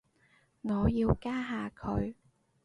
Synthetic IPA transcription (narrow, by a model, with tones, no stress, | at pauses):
ŋɔː˨˧jiː˧wkaː˥ɦaː˨˧kʰɵ˨˧ɥ